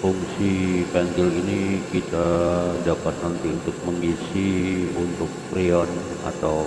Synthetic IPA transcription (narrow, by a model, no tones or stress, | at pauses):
fuŋsipɛŋkɪlinikit̪adapat̪̚nant̪iunt̪ʊk̚məŋɡisiunt̪ʊk̚pɾiɔn | a̰t̪aw